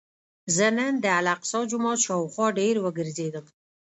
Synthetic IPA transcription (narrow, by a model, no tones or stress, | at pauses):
zənənd̪əalaqsɑd͡ʒʊmɑt̪ʃɑwxwɑɖeɾwəɡəɾzed̪əm